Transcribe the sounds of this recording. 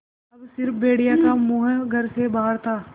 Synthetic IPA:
ɐbsɪɾfbeːɽijakamʊɦɡʱɐɾsebaːɦəɾt̪ʰaː

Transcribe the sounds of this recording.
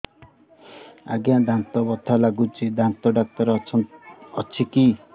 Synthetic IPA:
a̰ɡjãd̪ʱant̪ɔbɔt̪ʰːalaɡud͡zid̪ʱant̪ɔɖak̚t̪ɔɾ | ʌt͡ʃʰiki

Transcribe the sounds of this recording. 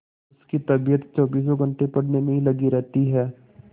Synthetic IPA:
ʊskit̪ɐbijət̪t͡ʃɔːbiːs̬oɡʱɐ̃ɳʈepɐɽnemẽɦĩlɐɡiɾɛɦt̪iɦɛː

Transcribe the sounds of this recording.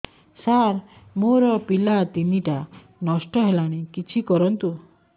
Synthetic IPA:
saɾmoɾɔpilat̪iniʈa | nɔsʈɔɦelaɽ̃ikit͡ʃʰikɔɾɔnt̪u

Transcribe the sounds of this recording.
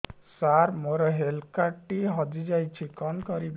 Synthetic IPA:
saɾmoɾɔɦelkaʈiɦɔd͡ʒid͡ʒajt͡ʃʰikɔnkɔɾib

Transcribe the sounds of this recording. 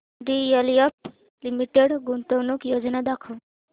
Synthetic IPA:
ɖ̪ijəliəp̚ | limiʈeɽɡunt̪əwnukjod͡ʒnad̪akʰəw

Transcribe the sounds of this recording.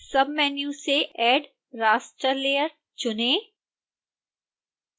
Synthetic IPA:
sɐbmɛːnjũseʔɛːɖ | ɾaːsʈɾəɾleːəɾ | t͡ʃʊnẽː

